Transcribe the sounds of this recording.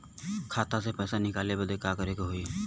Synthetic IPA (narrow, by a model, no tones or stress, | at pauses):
kʰaːt̪asepɛːsanɪkaːlebəd̪ekakəɾekoɦoi